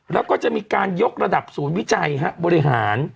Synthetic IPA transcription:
ɾɛː˦˥wkɔː˥˩t͡ɕa˨˩ʔmiː˧kaː˧njo˦˥k̚ɾa˧da˨˩p̚suː˩˦nwi˦˥t͡ɕa˧jɦa˦˥ʔbɔː˧ɾi˧ɦaː˩˦n

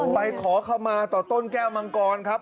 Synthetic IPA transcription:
pa˧jkʰɔː˩˦kʰa˧wmaː˧t̪ɔː˨˩t̪o˥˩nkɛː˥˩wma˧ŋkɔː˧nkʰa˦˥p̚

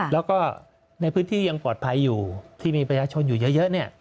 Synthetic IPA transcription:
lɛ˦˥wkɔː˥˩ | na˧jpʰɯː˦˥nt̪ʰiː˥˩ja˧ŋpɔː˨˩t̪̚pʰa˧jːuː˨˩t̪ʰiː˥˩miː˧pɾa˧t͡ɕʰaː˧t͡ɕʰo˧njuː˨˩jɤ˦˥jɤ˦˥ʔni˥˩ɐ

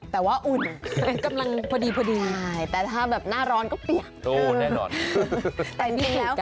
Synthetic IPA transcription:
t̪ɛː˨˩waː˥˩ʔu˨˩nka˧mla˧ŋpʰɔː˧diː˧pʰɔː˧diː˧maː˥˩jt̪ɛː˨˩t̪ʰaː˥˩bɛː˨˩p̚naː˥˩ɾɔː˦˥nkɔː˥˩pli˨˩əp̚ʔoː˧˩nɛː˥˩nɔ̰ː˧n | t̪ɛː˨˩i˨nʰi˧lɛː˦˥w

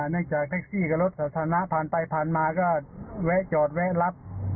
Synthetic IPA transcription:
nɯ˥˩əŋt͡ɕaː˨˩k̚t̪ʰa˦˧˥k̚siː˥˩ka˧˩lo˦˥t̪̚saː˨˧˥t̪ʰaː˧na˧˥ʔpʰaː˨˩npa˧jpʰaː˨nmaː˧kɔː˧˥˩wɛ˦˥ʔt͡ɕɔː˨˩t̪̚wɛ˦˥ʔla˦˥p̚

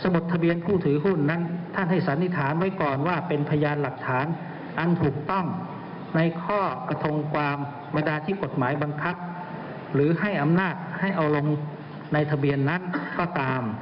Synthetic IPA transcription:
sa˧bo˨˩t̪ʰːa˧bi˧ənpʰuː˥˩t̪ʰɯː˨˩˦ɦu˥˩nːa˦˥˨nt̪ʰa˦˥˩nɦa˧˩jsa˨˩˦nːi˧˥˩t̪ʰaː˩˦nwa˦˥jkɔː˨˩nwaː˥˩pe˧npʰa˧jaː˧nla˨˩k̚t̪ʰaː˩˦n | ʔa˧nt̪ʰuː˨˩k̚t̪ɔ˥˩ŋ | na˧jkʰɔː˥˩ka˧t̪ʰo˧ŋkwaː˧m | ba˧ndaː˧t̪ʰiː˥˩ko˨˩t̪̚maː˩˦jba˧ŋkʰa˦˥p̚ | lɯː˩˦ha˥˩jʔa˧mnaː˥˩t̪̚ha˥˩jʔa˧wlo˧ŋ | na˧jt̪ʰa˧bi˧ənːa˦˥˨nkɔː˧˥˩t̪aː˧m

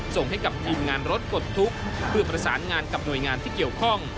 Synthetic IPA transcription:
so˨˩ŋha˥˩jka˨˩p̚t̪ʰiː˧mŋaː˧nɾo˦˥t̪̚ko˨˩t̪ʰːu˦˥k̚pʰɯ˥˩ɐpɾa˧saː˩˦nŋaː˧nka˨˩p̚nu˨˩jŋaː˧nt̪ʰiː˥˩ki˨˩əwkʰɔ˥˩ŋ

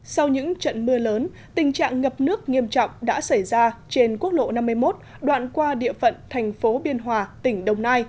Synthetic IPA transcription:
sa˧wɲɨ̰˧˥ŋt͡ɕə̰˧˨nmɨ˧ələː˨˦n | t̪ï˨˩ŋ̟t͡ɕa̰ː˧˨ŋːə˨˩p̚nɨ˦˥ək̚ŋi˧əmt͡ɕɔ̰˧˨wŋ͡mɗa̰ː˧˥sa˧˩jzaː˧t͡ɕe˧nku˦˥ək̚lo̰˧˨na˧mːɨ˧əjmo˦˥t̚ | ɗwa̰ː˧˨nkwaː˧ɗḭ˧˨əfə̰˧˨nt̪ʰɛ˨˩jŋ̟fo˨˦ɓi˧ənɦwaː˨˩t̪ï˧˩ŋ̟ɗə˨˧˩wŋ͡mnaː˧j

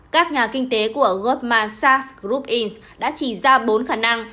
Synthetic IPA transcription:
kaː˦˥k̚ɲaː˨˩kï˧ŋ̟t̪e˨˦ku˧˩əɣɔ˧˦˥p̚maː˧˩nsaː˧sɣɾu˦˥p̚ʔi˧ns | ɗa̰ː˧˥t͡ɕi˧˩zaː˧ɓo˨˦nxaː˧˩na˧ŋ

